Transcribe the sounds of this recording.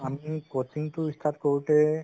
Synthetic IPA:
amikot͡ʃiŋtʊist̪ʰatkoɹutɛ

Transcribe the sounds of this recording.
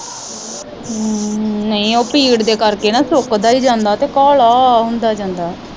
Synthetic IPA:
nəĩːoːpiːɽd̪eːkəɾkeːnãːsʊkd̪aːd͡ʒiːd͡ʒãːnd̪aːt̪eːkaːlaːɦʊnd̪aːd͡ʒãːnd̪aː

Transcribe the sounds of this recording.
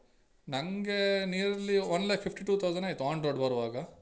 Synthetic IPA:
nɐŋɡenijɾɐliɔnlaːkpʰipʰʈiʈuːt̪ʰɐwd͡ʒɐnajt̪aːnɖɾoɖbɐɾʋaːɡɐ

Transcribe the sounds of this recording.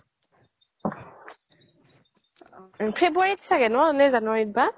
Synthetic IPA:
pʰebuaɹitsaɡɛnɔanɛzanuwaɹit̚ba

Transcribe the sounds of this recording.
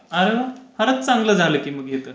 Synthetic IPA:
əɾeɦəhəɾət͡st͡saŋɡləːd͡zʱaləkiːməɡjet̪əː

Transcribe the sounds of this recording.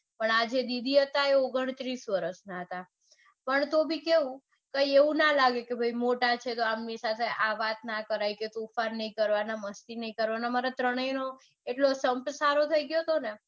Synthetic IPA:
pəɳad͡ʒed̪id̪ʱiɦət̪aeoɡəɳ̃t̪ɾisʋəɾəsnaɦət̪a | pəɳt̪obʱikeʋũ | kəjeʋũnalaɡekebʱəimoʈat͡ʃʰet̪oamnisat̪ʰeʔaʋat̪nakəɾajket̪ofaɾnəĩkəɾʋanaməst̪inəĩkəɾʋanamaɾat̪ɾəɽ̃əjno | eʈlosəmpsaɾot̪ʰəiɡjot̪one

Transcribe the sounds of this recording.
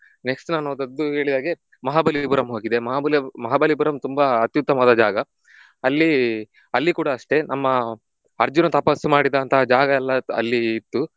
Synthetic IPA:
ne̞ksʈnaːnoːd̪ɐd̪ːuɦe̞ːɭid̪aːɡe | mɐɦaːbɐlipuɾɐmɦo̞ːɡid̪e̞mɐɦaːbɐlmɐɦaːbɐlipuɾɐmt̪umbɐɐt̪jut̪ːɐmɐd̪ɐd͡ʒaːɡɐ | ɐlːi | ɐlːikuːɽɐːʂʈe̞nɐmːɐ | ɐɾd͡ʒunɐt̪ɐpɐsumaːɽid̪ɐːnt̪ʰɐad͡ʒaːɡɐɛlːɐɐ̰lːiːt̪ːu

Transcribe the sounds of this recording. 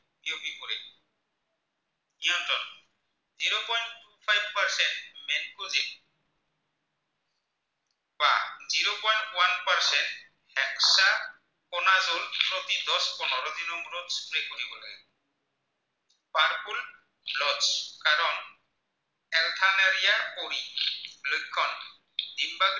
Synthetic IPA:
biobipoɾe | ĩant̪ɔn | ziɾopɔjɳʈːupʰajbpaɾseɳʈmɛnkuzik | ba̰ziɾopɔjɳʈwanpaɾseɳʈ | hɛkʃa | kɔnazolpɾot̪id̪ɔspɔnɔɾɔd̪inɔŋɾod̪spɾekoɾibola̰ɡe | paɾkul | blɔskaɾɔn | ɛlt̪ʰanaɾijaoilojkʰːɔn | d̪imbaɡ

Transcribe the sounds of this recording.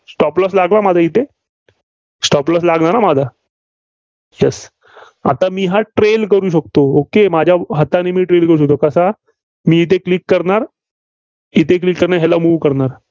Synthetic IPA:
sʈɔpləs̬laɡlamad͡zʱait̪ʰe | sʈɔpləs̬laɡɳaɾamad͡zʱa | jɛs | a̰t̪amiːɦãʈɾelkəɾuːɕ̬ək̚t̪ookemad͡ʑʱjaɦat̪anemiːʈɾelkəɾuːɕək̚t̪okəsa | miːit̪̬eklikːəɾɳaɾ | it̪eklikːəɾɳaɦɛlamuːʋkəɾnaɾ

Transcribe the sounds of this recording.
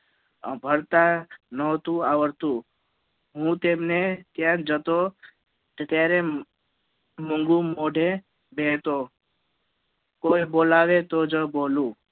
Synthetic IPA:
ə̰̃bʱəɾt̪anəɦt̪ũaʋəɾt̪ũ | ɦũt̪emnet̪jãd͡ʒət̪o | k̪et̪jaɾe | moŋɡũmoɖʱe | bʱet̪o | kojbolaʋet̪od͡ʒəbolũː

